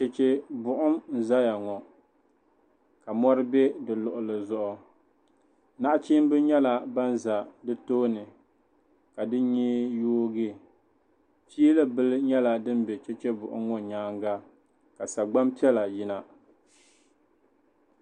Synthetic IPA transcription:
t͡ʃɛ˨t͡ʃɛ˦bʊ˨ʔʊ˦mn̩˨za˦ja˨ŋɔ˨ | ka˨mɔ˦ɾɨ˦bɛ˦dɨ˨lʊ˨ʔʊ˨lɨ˨zʊ˦ʔʊ˦ | na˦ʔa˦t͡ʃi˦m˦bɨ˦ɲɛ˦la˨ba˦n˦za˨dɨ˦toː˦nɨ˨ | ka˨dɨ˦ɲi˦joː˦ɡɪ˦ | t͡ʃiː˦lɨ˦bɨ˦lɨ˦ɲɛ˦la˨dɨ˦m˦bɛ˨t͡ʃɛ˦t͡ʃɛ˦bʊ˨ʔʊ̰˦mŋɔ˨ɲaː˦ŋɡa˦ | ka˨sa˨ɡ͡ba˦mpi˦ɛ˦la˨ji˦na˦

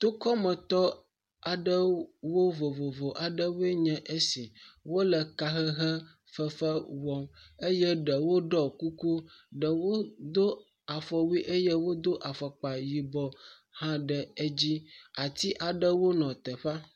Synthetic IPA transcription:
t̪o˦kɔ˦mə̃˨t̪ɔ˦ | a˨ɖə˦wo˦vo˨vo˨vo˨ʔa˨ɖə˦we˦ɲɛ̃˨ʔe˦si˨wo˦lə˨ka˨ɦə˦ɦə˦ | fə˦fə˦wɔ˦me˦jɛ˦ɖə˨wo˦ɖɔ˦ku˦ku˦ɖə˨wo˦d̪o˦ | a˨fɔ˨wi˦ʔe˦jɛ˦wo˦d̪o˦ʔa˨fə˨k͡pa˨ji˨bɔ˨ | hã˦ɖə˨e˦d͡ʑi˦a˨t̪i˦ʔa˨ɖə˦wo˦nɔ̃˨t̪ə˨ɸa˦

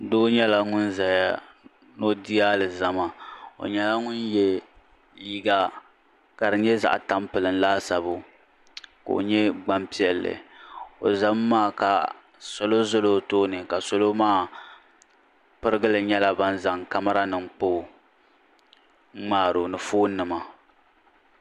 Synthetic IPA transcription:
doː˦ɲɛ˦la˦ŋʊ˦nza˨ja˦ | no˦di˦aː˦lɨ˨za˦ma˦o̰˨ɲɛ˦la˦ŋʊ˦njɛ˦ | li˦ɡa˦ | ka˨dɨ˨ɲɛ˦za̰˨ʔta˦mpɨ˨lɨ˨n˦laː˦sa˨bo˦ | ko̰˨o̰˨ɲɛ˦ɡ͡ba˦mpi˦ɛ˨lːɨ̰˨o̰˨za˦mː˦aː˦˨ka̰˨ | so˦lo˦zʊ˦lo˦toː˦nɨ˨ka˨so˦lo˦maː˦ | pɨ˦ɾɨ˦ɡɨ˦lɨ˨ɲɛ˦la˦ba˦n˦za˨ŋka˦ma˦ɾa˦nɨ˨ŋk͡po˦˨˦ | ŋ͡maː˦˨ɾo˨nɨ˨foː˦nɨ˨ma˨

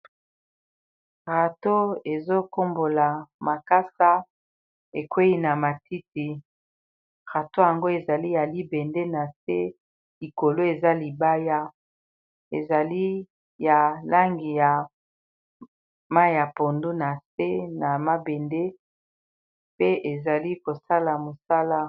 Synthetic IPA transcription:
ʁa˨to˦e˨zo˦ko˦mbo˨la˨ma˨ka˦sa˦ | e˨kwe˦i˦na˨ma˨ti˦ti˨ | ʁa˨to˦ja˨ŋɡo˦e˨za˨li˦ja˨li˦be˨nde˦na˨se˦ | li˨ko˨lo˦e˨za˦li˨ba˦ja˦ | ḛ˨za˨li˦ | ja˨la˦ŋɡi˨ja˨ | ma˦˨ja˨po˨ndu˦na˨se˦na˨ma˦be˨nde˦ | pe˦ʔe˨za˨li˦ko˨sa˦la˨mo˨sa˦la˦

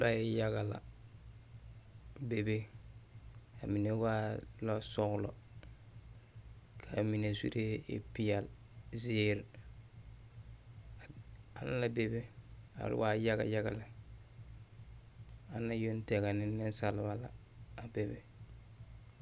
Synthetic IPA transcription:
ba˦jɛ˦ja˦ɣa˨la̰˨ | be˨be˦ | a˨mi˨ne˦wa˦lɔ˦sɔ˦ɣʊ˦lɔ̰˨ | kʰa˨mi˨ne˨sḭ˦ɾe˦ḛ˦pi˦ja˨l | ze˦e˦ɾ | a˨na˦la˦be˨be˦a̰˨ɾɪ̰˦wa˦ja˦ɡa̰˨ja˦ɡa̰˨la˨ | a˨na˦jo˦n˦tɛ˨ɡa˨nɪ˦nːɪ˦n˦sa˨lɪ˦ba˦la̰ː˨ | be˨be˦

